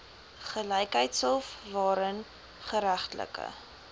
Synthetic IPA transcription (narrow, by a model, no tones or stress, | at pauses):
χələjkɦəjtsəlˠfvɑːɾən | χəɾæχtlə̰kə̰